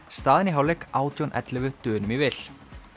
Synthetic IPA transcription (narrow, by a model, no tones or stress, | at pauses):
st̪aːðɪniɦaːwlɛkaːwt̪jownʔɛ̰t̪lɪvʏt̪ʏːnʏmivɪl